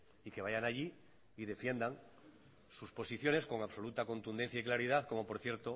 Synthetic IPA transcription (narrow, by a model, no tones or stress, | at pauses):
ike̞βajanaʎi | iðe̞fje̞nd̪aŋ | suspo̞siθjo̞ne̞sko̞ŋaβsolut̪ako̞nt̪und̪e̞n̟θjaiklaɾiðaθko̞mo̞po̞ɾθje̞ɾt̪o̞